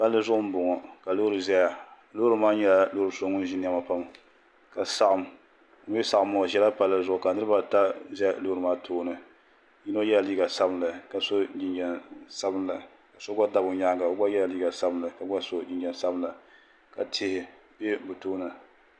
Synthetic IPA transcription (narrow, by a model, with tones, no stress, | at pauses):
pa˦lːɨ˦zʊ˦ʔʊ˦m̩˦bʊ˨ŋɔ˨ka˨lo˦ɾɨ˨zɛ˦ja˨ | lo˦ɾɨ˦maː˦ɲɛ˦la˨loː˦ɾɨ˨˦so˦ŋʊ˦n˦ʒi˦n˦ɛ˦ma˨pa˦m | ka˨sa˨ʔa˨m̩˨˦ | ɛ˦sa˨ʔmːʊ˨ŋɔ˨ʒɛ˦la˦pa˦lːɨ˦zʊ˦ʔʊ˨ka˨nɨ˦ɾɨ˦ba˦ta˦zɛ˦ja˦loː˦ɾɨ˨maː˦tʰoː˦nɨ˨ | ji˦no˦jɛ˦la˨liː˦ɡa˨sa˦bɨ˦nla˨ka˨so˦d͡ʒi˨nd͡ʒɛ˨nsa˦bɨ˦n˦la˨ | ka˨so˦ɡʷa˦da˨bʊ˨ɲa˦ŋka˨˦ɡ͡ba˦jɛ˦la˨liː˦ɡa˨sa˦bɨ˦nla˨ka˨ɡ͡ba˦so˦d͡ʒɪ˨nd͡ʒɛ˨nsa˦bɨ˦nla˨ | ka˨tʰe˦hɪ˨ | be˦bu˨toː˦nɨ˨